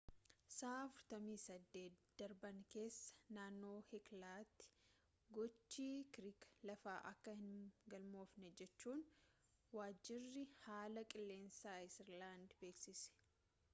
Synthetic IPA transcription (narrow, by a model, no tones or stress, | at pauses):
saːɐfʊɾt̪ɐmiːsɐd̪ːe̞ːt̪d̪̥ɐɾbɐŋke̞ːsːɐ̥naːnːo̞ːhɛklaːt̪ːɪ̥ | ɡɔt͡ʃːiːkɾiklɐfaːʔɐkːɐhɪnɡɐlmo̞ːfnɛd͡ʒɛt͡ʃːuːn | waːd͡ʒːɪrːɪhaːlɐkʼɪlːe̞ːnsaːɪsɪɾlaːnd̪beːksɪsɛ̥